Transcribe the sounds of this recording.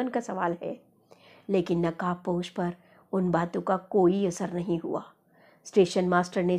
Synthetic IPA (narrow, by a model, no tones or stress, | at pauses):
ənkasɐʋaːlɦɛ̰ː | leːkɪnːɐkaːpoːʃpɐɾ | ʊnbaːt̪õkakoːiɐsəɾnɐɦĩɦṵa̰ː | sʈeːʃənmaːsʈəɾne